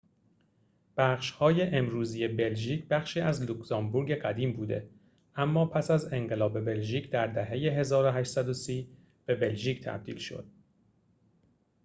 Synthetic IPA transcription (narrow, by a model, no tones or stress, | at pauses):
b̥æχʃhɒːje̞ʔemɾuːzije̞be̞lʒiːcʰbæχʃiːæzluksɒmbuɾɟe̞ɡæd̪iːmbuːd̪e̞̰ | ʔæmːɒːpʰæsæze̞ŋɢe̞lɒːbe̞be̞lʒiːcʰd̪æɾd̪æɦe̞je̞ɦe̞zɒːɾoɦæʃt̪sæd̪osiː | b̥e̞be̞lʒiːcʰt̪ʰæ̰b̚d̪ḭːlʃo̞̰d̪̥̚